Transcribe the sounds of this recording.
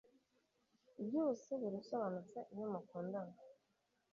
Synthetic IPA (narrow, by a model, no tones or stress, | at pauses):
bjuːseβiɾisoβanut͡saʔiɲomakuːndaŋa